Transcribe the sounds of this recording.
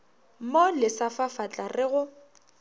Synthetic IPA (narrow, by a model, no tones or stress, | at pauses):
molɪsafafat͡ɬʼarɪɣʊ